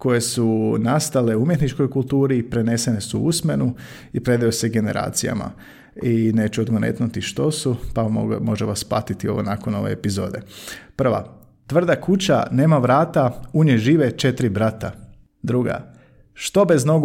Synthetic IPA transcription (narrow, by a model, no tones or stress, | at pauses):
ko̞je̞sunast̪ale̞umjet̪nit͡ʃko̞jkulˠt̪uːɾipɾe̞ne̞se̞nesuusme̞nu | ipɾe̞d̪ajoseɡe̞ne̞ɾa̰ːt̪sija̰ma̰ | ine̞ːt͡ʃuod̪ɡonḛt̪nut̪iʃt̪o̞supao̰mo̞ʒeʋaspˠa̰t̪it̪io̞ʋonakono̞ʋe̞̰epizo̞ːd̪e̞̰pr̩ʋa̰ | t̪ʋr̩d̪akut͡ɕa̰ne̞ːmaʋɾaːt̪auɲeʒiːʋet͡ʃe̞t̪ɾibɾat̪a | d̪ɾuɡa̰ | ʃt̪o̞be̞zno̞ɡ